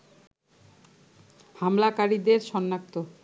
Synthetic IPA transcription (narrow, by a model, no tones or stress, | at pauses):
hamlakaɾid̪eɾʃɔnːak̚t̪o